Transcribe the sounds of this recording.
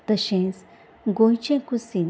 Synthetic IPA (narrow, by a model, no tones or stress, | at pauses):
t̪əʃẽs | ɡojt͡ʃẽkusin